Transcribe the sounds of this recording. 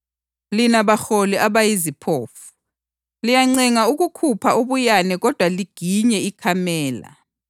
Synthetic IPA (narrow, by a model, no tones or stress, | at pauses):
linaβaxɔliaβajizipʰoːfu̥ | lijaŋ͡ǀɛŋauɣukʰupʰaoβujanɛɣɔd̥ʱwaliɡ̥ʱiɲɛikʰamɛːla̰